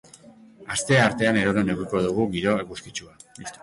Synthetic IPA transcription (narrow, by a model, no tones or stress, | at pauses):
ast̪e̞aɾt̪e̞ane̞ɾoɾoneɣuko̞ð̞uɣ̞uɣiɾo̞eɣuskit͡ʃuaist̪